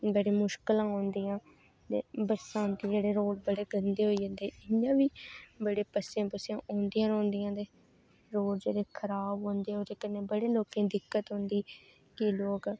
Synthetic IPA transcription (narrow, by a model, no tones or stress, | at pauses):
bəɽeːmʊʃkəlãːɦõːnd̪iːãː | t̪ḛːbəɾsãːnt̪iːd͡ʒeːɽeːɾoːɽbəɽeːɡənd̪eːɦoːiːd͡ʒə̃nd̪eɛːʔɪɲːãːʋiːbəɽeːpəsãːpəsãːʔõːnd̪iːãːɾõːnd̪ijãːt̪eː | ɾoːʈd͡ʒeːɽeːkʰəɾaːbɦõːnd̪eːɛːod͡ʒ̪eːkənːeːbəɽeːloːkẽːd̪ɪkːət̪ɦõːnd̪iː | kiloːk